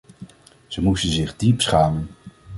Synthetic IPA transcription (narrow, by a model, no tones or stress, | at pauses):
z̥əmustənzɪχdipsχaːmən